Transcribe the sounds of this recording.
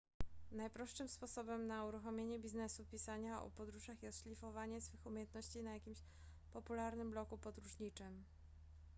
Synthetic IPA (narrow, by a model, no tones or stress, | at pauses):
najpɾɔʂʂɘmspɔsɔbɛmnauɾuxɔmʲjeɲɛbʲiznɛsupʲisaɲaɔ̰pɔd̪ɾuʐaxjɛst̪ʂlʲifɔvaɲɛsfɘxumʲjejɛnt̪nɔɕt͡ɕinajakʲimɕ | pɔpulaɾnɘmblɔkupɔd̪ɾuʐɲit͡ʂɘm